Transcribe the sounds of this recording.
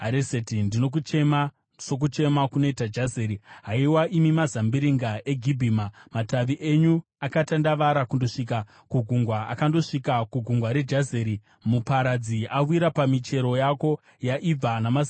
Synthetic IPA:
ɦaɾesetindinokuema | so̞k̬ut͡ʃe̞makuno̞itad͡ʒazeːɾiɦaiwaʔimimazambiɾiŋɡaʔe̞ɡʱibʱiːmamataʋiʔe̞ɲu | akatandaʋaɾakundo̞ʂik̬a | kuɡʱuŋɡwaa̰kando̞ʂikakuɡʱuŋɡwaɾe̞d͡ʒazeɾi | mupaɾad͡ziawwiɾapamit͡ʃe̞ɾo̞jako̞ | jaʔib͡vanama

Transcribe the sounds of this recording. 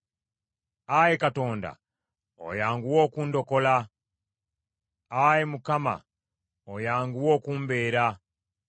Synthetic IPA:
ajekato̞ːnda̰ | o̰jaːŋɡuwo̞ːkuːndo̞ko̞la | ajemukama̰ | ojaːŋɡuwo̞ːkuːmbe̞ːɾa

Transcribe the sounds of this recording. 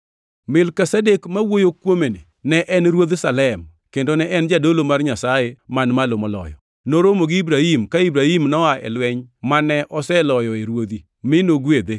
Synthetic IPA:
mɪlkɛsadekmawojokwomene | nɛʔɛnɾwod̪salɛm | kendonɛʔɛnd͡ʒadolomarɲasajemanmalomɔlɔ̰jɔ̰ | noɾomoɡɪibɾahimkaibɾahimnɔaʔɛ̰lwɛɲmanɛʔɔsɛlɔjɔeɾwod̪i | mɪnoɡwed̪e

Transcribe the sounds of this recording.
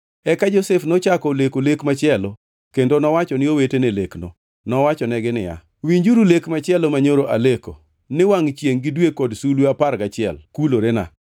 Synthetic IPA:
ɛkad͡ʒosɛfnot͡ʃakɔlekolekmat͡ʃɪɛlo | kendonɔwat͡ʃɔnɪowetenelekno | nɔwat͡ʃɔnɛɡɪnɪja̰ | wiɲd͡ʒuɾulekmat͡ʃɪɛlomaɲoɾoʔaleko | nɪwaŋt͡ʃjeŋɡɪdwekɔdsulweapaɾɡat͡ʃɪɛ̰lkuloɾena̰

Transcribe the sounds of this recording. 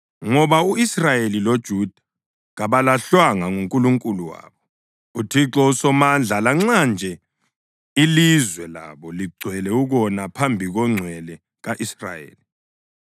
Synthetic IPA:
ŋɔβauisrajelilod̥ʒ̥ʱud̥ʱḁ | ɣaβalaɬwaŋaŋuŋkʼuluŋkʼuluwa̰ːβɔ | utʰiǁɔusɔmand͡ɮʱalaŋ͡ǀand͡ʒʱɛ | ilizwɛla̰βɔliɡ͡ǀʱwɛlɛuɣɔnapʰambʱiɣɔŋ͡ǀʱwɛlɛ | ɣaʔisra̰jḛːli

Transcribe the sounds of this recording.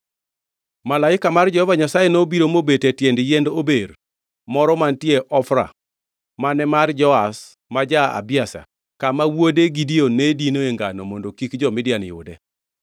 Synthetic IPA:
malaɪkamard͡ʒɔhɔvaɲasajenobiɾomobetetjendjendober | mɔɾɔmantjeʔɔfɾa̰ | manɛmard͡ʒɔas | mad͡ʒaa̰bɪasa̰ | kamawodeɡidionedinoeŋɡanɔmondokikd͡ʒɔmɪdjanjʊ̰dɛ

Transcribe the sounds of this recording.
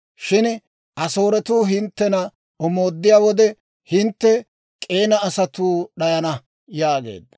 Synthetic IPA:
ʃɪn | ʔɐso̞ːɾɛt̪uːɦɪnt̪ːɛnɐ | ɔmoːd̪ːɪjaːwɔd̪ɛ | hɪnt̪ːɛ | kʼe̞ːnɐːsɐt̪uːɗɐjɐnɐ | jaːɡe̞̰ːd̪ːɐ

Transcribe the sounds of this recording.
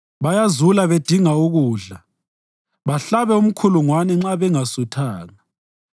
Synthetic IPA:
βajazulaβed̥ʱiŋauɣuːɮa | βaɬaβɛum̩kʰuluŋwanɛŋ͡ǁaβɛŋasutʰaːŋa

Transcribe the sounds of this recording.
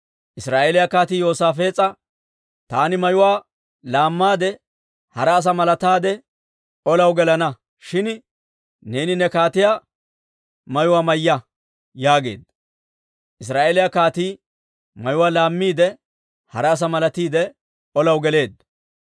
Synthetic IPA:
ʔɪsɾaːʔeːlɪjakaːt̪iːjoːsaːfe̞ːt͡sʼːɐ | t̪aːnɪmɐjʊwaː | laːmːaːd̪ɛ | hɐɾɛːs̬ɐmɐlɐt̪aːd̪ɛ | ʔɔlɐwɡɛlɐnɐ | ʃɪn | ne̞ːnɪnɛkaːt̪ɪjaː | mɐjʊwaːmɐjːɐ | jaːɡe̞̰ːd̪ | ʔɪs̬ɾaːʔeːlɪjakaːt̪iː | mɐjʊwaːlaːmːiːd̪ɛ | hɐɾɛːs̬ɐmɐlɐt̪iːd̪ɛ | ɔlɐwɡɛle̞ːd̪

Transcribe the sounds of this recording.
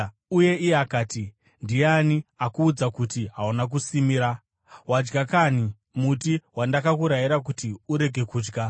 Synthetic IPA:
uje̞ʔijeakaːti | ndijaniakuːd͡zakutiɦaunak̬usimiɾa | wad͡ʒɡakani | mutiwandakakuɾajiɾak̬utiuɾe̞ɡʱe̞kuːd͡ʒɡa

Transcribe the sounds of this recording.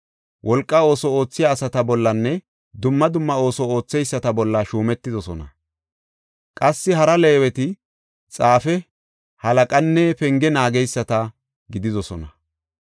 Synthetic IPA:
wʔɔlkʼːɐo̞ːsɔo̞ːt͡sːɪjaːsɐt̪ɐbɔlːɐnːɛ | d̪ʊmːɐd̪ʊmːɐo̞ːsɔo̞ːt͡sːɛjsːɐt̪ɐbɔlːɐʃuːmɛt̪ːɪd̪ɔsɔnɐ̰ | kʼɐsːɪɦɐɾɐleːwɛt̪ɪ | t͡sʼaːfɛ | hɐlɐkʼɐnːɛpɛŋɡɛnaːɡɛjsːɐt̪ɐ | ɡɪd̪ɪd̪ɔsɔnɐ

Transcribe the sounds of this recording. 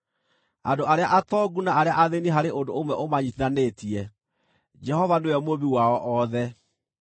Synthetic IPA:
andoʔaɾeaʔatɔɡunaaɾeaʔaðeniɦaɾeʔondoomwɛʔomaɲitianetiɛ | d͡ʒɛhɔvaneɛmoβiwaɔʔɔðɛ

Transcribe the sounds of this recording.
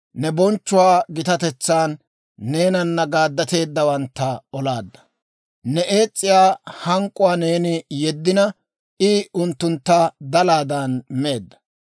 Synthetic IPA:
nɛbɔnt͡ʃːʊwaːɡɪt̪ɐt̪ɛt͡sːaːnː | e̞ːnɐnːɐɡaːd̪ːɐt̪e̞ːd̪ːɐwɐnt̪ːɐɔlaːd̪ːɐ̥ | nɛʔe̞ːt͡sʼːɪjaːhɐŋkʼʊwaːne̞ːnɪjɛd̪ːɪnɐ | ʔɪʊnt̪ːʊnt̪ːɐd̪ɐlaːd̪ɐnme̞ːd̪ːɐ̥

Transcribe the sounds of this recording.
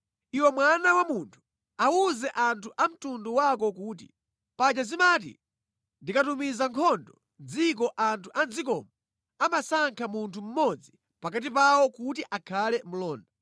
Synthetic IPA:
iwɛmwanawamuntʰu̥ | awuzɛʔantʰuʔam̩tunduwakɔkuːt̬ḭ | pad͡ʒt͡ʃazimat̬ḭ | ndikatumizaŋkʰɔndɔ | nd͡zik̬ɔʔantʰuʔand͡zik̬ɔmɔ | amasaŋkʰamuntʰum̩mɔd͡zi | pakat̬ipawɔkutiʔakʰalɛm̩lɔːnda

